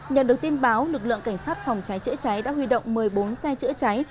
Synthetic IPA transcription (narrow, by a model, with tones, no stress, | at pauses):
ɲə̰˧˨nɗək̚t̪i˧ənɓaː˨˦wlɨ˨˩k̚lɨ̰˧˨ŋka˧˩ŋ̟saː˦˥t̚fa˨˩wŋ͡mt͡ɕa˨˦jt͡ɕɨ̰˧˥ət͡ɕa˨˦jɗa̰ː˧˥hwi˧ɗo̰˧˨wŋ͡mmɨ˨˩əjɓo˨˦nsɛ˧t͡ɕɨ̰˧˥ət͡ɕa˨˦j